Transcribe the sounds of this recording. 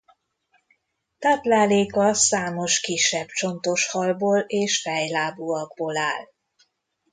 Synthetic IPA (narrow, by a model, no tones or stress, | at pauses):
t̪aːplaːleːkɒsaːmo̞ʃkiʃːɛbt͡ʃo̞nt̪o̞ʃhɒlboːleːʃfɛjlaːbuɒɡ̚boːlaːl